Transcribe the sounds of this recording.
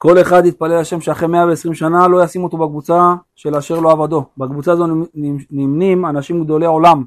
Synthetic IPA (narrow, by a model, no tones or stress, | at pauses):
ko̞le̞χad̪it̪̚palelaʃe̞mʃeaχʁemeaveːsʁimʃanalo̞jasimo̞t̪obakvut͡saʃe̞laʃeʁloavad̪o̞bakvut͡saːzonimnimanaʃimɡd̪o̞leo̞lam